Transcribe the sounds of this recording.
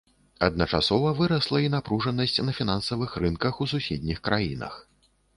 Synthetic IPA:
ɐd̪̚nɐt͡ʂasɔvɐvɨɾɐslˠɐinapɾuʐɐnːɐsʲt͡sʲnɐfʲinansɐvɨxrɨnkɐxus̬usʲed̪ʲnʲixkɾʔajinɐ̰x

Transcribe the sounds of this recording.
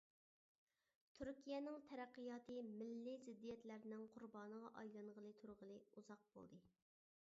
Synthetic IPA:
t̪ʰyɾkʲʰijɛnɪŋt̪ʰɛɾæqːəjɑːt̪ɨmɪlːɪzɪd̪ːijɛt̪læɾnɪŋqʰʊɾbɑːnəʁɑʔɑjlˠɑnʁəlˠɨt̪ʰuɾʁəlˠɨuzɑq̚bo̰lˠd̪ɨ

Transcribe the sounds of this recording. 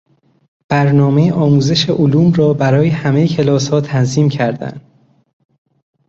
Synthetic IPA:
b̥æɾnɒːmejʔɒːmuːze̞ʃeʔoluːmɾɒːbæɾɒːjehæme̞jecʰe̞lɒːshɒːt̪ʰænziːmcʰæɾd̪æ̰nd̪̥

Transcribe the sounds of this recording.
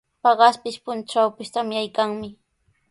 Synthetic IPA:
pɑɢɑspɪʃpʊnt͡ʃawpɪst̪amɪajkaŋmɪ

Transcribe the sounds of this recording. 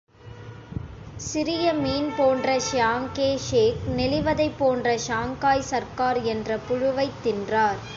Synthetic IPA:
sɪɾɪjɐmiːnpoːndrɐʃaːŋkeːʂeːknɛlɪʋɐðɐɪpːoːndrɐʃaːŋkaːjsɐɾkaːɾɛndrɐpʊɻʊʋɐɪt̪ːɪndraːɾ

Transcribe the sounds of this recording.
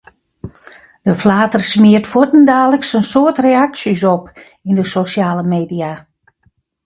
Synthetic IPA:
d̥əflaːtərsmiərtfutndaːləksənsoətreaksjəs̬ɔp | indəsosjaːləmeːdia

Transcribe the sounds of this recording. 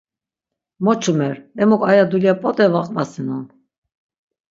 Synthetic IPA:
mɔt͡ʃʰumɛɾɛmɔkʼajad̪uljapʼɔt̪ʼɛvaqʼvasɛnɔn

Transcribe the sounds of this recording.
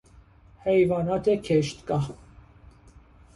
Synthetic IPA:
hɛjvɑnɑt̪ʰɛkʰɛʃt̪kɑ

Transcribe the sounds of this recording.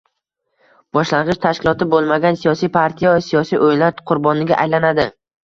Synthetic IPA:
b̥ɒʃlaɴʁɨʃt̪ʰaʃkʲɪlˠɒt̪ʰɪbolˠmaɡʲansijɒsijpʰaɾt̪ʰijavsijɒsijʔojnlaɾqʰʊɾbɒnɪɡʲa̰ʔajlanad̪ɪ

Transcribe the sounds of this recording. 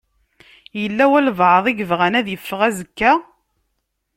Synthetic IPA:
jəlːæwælvʕəðˤiɡəvʁænæðjəfːəʁæzəkːæ

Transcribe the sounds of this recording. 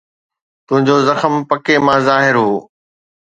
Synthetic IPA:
t̪ʊ̃ɦɪ̃ɲd͡ʑozɐxəmpɐkemãːzaːɦɪɾɦoː

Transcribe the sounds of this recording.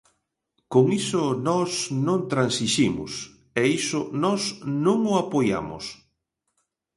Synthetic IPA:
koŋisʊnɔsnõŋt̪ɾansiʃimʊ̰s | ɛisʊnɔsnõŋʊapoja̰mʊ̰s

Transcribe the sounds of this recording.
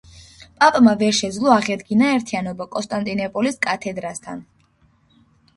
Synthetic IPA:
pʼapʼmavɛɾʃɛd̪zlˠɔaʁɛd̪ɡinaɛɾt̪ʰianɔbakʼɔnst̪ʼant̪ʼinɔpʼɔliskʼat̪ʰɛd̪ɾast̪ʰa̰n

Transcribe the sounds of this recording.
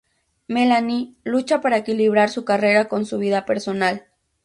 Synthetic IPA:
melanilut͡ʃapaɾaekiliβɾaɾsukareɾako̞nsuβiðapeɾsonal

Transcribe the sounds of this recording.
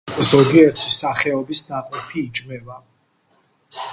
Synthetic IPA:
zɔɡiɛt̪ʰisaχɛɔbisnaqʼɔpʰiːd͡ʒmɛva

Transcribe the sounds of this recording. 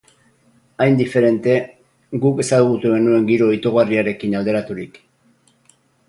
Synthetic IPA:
ajnd̪ife̞ɾe̞nt̪e̞ | ɡuke̞saðuɣut̪uɣe̞nue̞ŋɡiɾo̞it̪oɣariaɾe̞kinald̪e̞ɾat̪uɾik

